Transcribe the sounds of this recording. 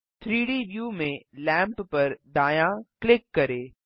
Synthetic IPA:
t̪ʰɾiːɖiːʋjuːmẽlɛ̃ːmppɐɾd̪aːjãklɪkːɐɾeː

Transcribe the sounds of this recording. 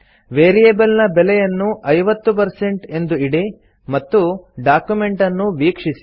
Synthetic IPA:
ʋeːɾijeːbɐlnɐbɛlɛjɐnːuʔɐjʋɐt̪ːup̬ɐɾse̞ɳʈe̞nd̪uiɽe | mɐt̪ːuɖaːkjume̞ɳʈɐnːuʋiːkʂisi̥

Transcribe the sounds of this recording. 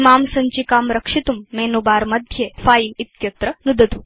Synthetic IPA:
maːmsɐɲt͡ɕikaːmɾɐkʂit̪umːeːnubaːɾmɐd̪ʱjefaːjinit̪jɐt̪ɾɐnud̪ɐd̪u

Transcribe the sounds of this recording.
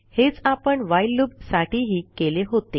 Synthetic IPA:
het͡sapəɳʋajlːubsaʈiɦiːkeleɦot̪e

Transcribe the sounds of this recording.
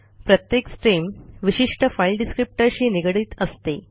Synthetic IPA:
pɾət̪jeksʈɾiːmʋiɕiʂʈəfajlɖiskɾip̚ʈəɾɕiːniɡɽiːt̪əst̪e

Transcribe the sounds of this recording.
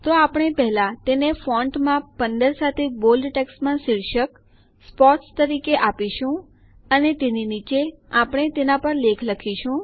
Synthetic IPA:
t̪oapɽ̃epɛɦlat̪enefɔ̃ɳʈmãpənd̪əɾsat̪ʰebolɖʈɛksmãsiɭʃək | spɔʈst̪əɾikeʔapiʃũ | ənet̪eninit͡ʃeapɽ̃et̪enapəɾlekʰləkʰiʃũ

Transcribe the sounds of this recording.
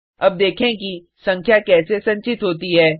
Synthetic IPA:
ɐb̚d̪eːkʰẽki | sɐ̃ŋkʰjakɛːsesɐ̃ɲt͡ʃɪt̪ɦoːt̪iɦɛː

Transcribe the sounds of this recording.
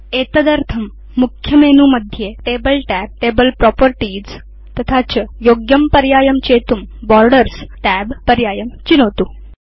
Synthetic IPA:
et̪əd̪əɾt̪ʰəmː | ukʰjəmenuməd̪ʱjeʈebəlʈæb̚ʈebəlpɾɔpəɾʈiːd͡z | t̪ɐt̪ʰat͡ɕəjoɡjəmpəɾjaːjəmt͡ɕet̪uːmbɔɾɖəɾsʈæbpəɾjaːjəmt͡ɕinot̪uː

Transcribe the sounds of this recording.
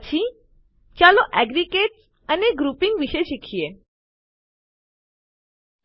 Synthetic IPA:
t͡ɕʰi | t͡ʃaloʔɛɡɾikeʈs | əneɡɾupĩŋɡʋiʃeʃikʰie

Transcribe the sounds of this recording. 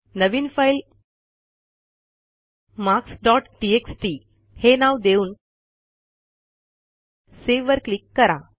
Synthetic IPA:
nəʋiːnfail | maksɖɔʈʈieksʈi | henaʋd̪euːn | seʋʋəɾklikːəɾa

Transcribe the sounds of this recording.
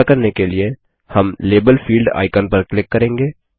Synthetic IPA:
kɐɾnekelie | hɐmleːbəlfʰiːlɖa̰ːɪkənpɐɾklɪkːɐɾẽːŋɡeː

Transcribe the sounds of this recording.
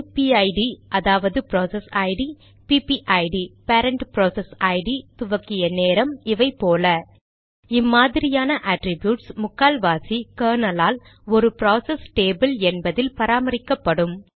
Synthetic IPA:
piɐɪɖiʔɐðaːʋɐðɯpɪɾoːsɛsɐɪɖi | piːpiʔɐɪɖipɐːɾɐɳʈpɪɾoːsɛsɐɪɖit̪ʊʋɐkːɪjɐneːɾɐmɪʋɐɪpːoːlɐ | ɪmːaːðɪɾɪjaːnɐʔaʈɾɪbjuːʈsmʊkːaːlʋaːsikɐːnɐlaːl | ɔɾɯpɾoːsɛsʈeːbɐlɛnbɐðɪlpɐɾaːmɐɾɪkːɐpːɐɽɯm

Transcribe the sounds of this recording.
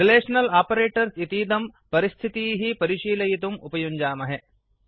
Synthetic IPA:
ɾileːʂɐnɐlaːpɐɾeːʈɐɾsit̪iːd̪ɐmpɐɾist̪ʰit̪iːɦipɐɾiʃiːlɐjit̪umupɐjuɲd͡ʒaːmɐɦe

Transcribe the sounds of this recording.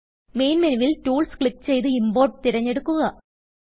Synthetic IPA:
me̞jnmeniʋiltuːɭskɭikːt͡ɕe̞jt̪̬ɨimboːʈ̚t̪iɾɐɲːe̞ɽukːuɣɐ

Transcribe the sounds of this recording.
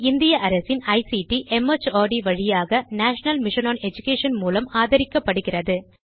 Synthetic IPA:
ɪnd̪ɪjɐʔɐɾɐsɪnɐɪsiʈiʔɛmɐt͡ʃoːɖiʋɐɻɪjaːɣɐnaːʂɐnɐlmɪʂɐnoːnɛd͡ʒʊkeːʂɐnmuːlɐmaːðɐɾɪkːɐpːɐɽɯɣɪrɐðɯ

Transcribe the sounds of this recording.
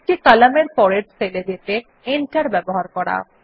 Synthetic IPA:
ʈikalameɾfɔɾeɖseled͡ʑ̪et̪e | enʈaɾbɛboɦaɾkɔɾa̰

